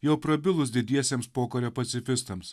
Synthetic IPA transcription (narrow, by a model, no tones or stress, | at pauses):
jɛʊpɾɐbʲɪlˠʊs̬d̪ʲɪd̪ʲiɛsʲeːmspoːkɐɾʲoːpɐt̪sʲɪfʲɪst̪ɐms